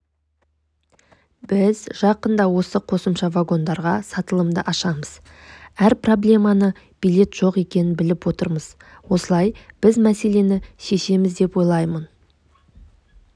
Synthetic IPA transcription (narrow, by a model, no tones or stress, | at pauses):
b̥ɪzʒ̥ɑqənd̪ɑwo̞səqʰo̞səmʃɑvaɡo̞nd̪ɑɾʁɑsɑt̪əlˠəmd̪əʔɑʃɑməz̥ | æɾpro̞blʲe̞mɑnə | b̥ijlʲe̞t̪ʒ̥o̞qe̞kʲe̞nɪnbɪlɪpwo̞t̪əɾməz̥ | wo̞səlˠɑjb̥ɪzmæse̞le̞nɪʃe̞ʃe̞mɪzd̪e̞pwo̞jlˠɑjmən